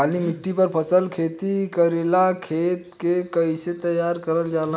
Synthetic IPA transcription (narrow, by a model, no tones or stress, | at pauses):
alimiʈːipəɾpʰəsəlkʰet̪ikəɾelakʰet̪kekəjset̪əjːaɾkəɾəld͡ʒal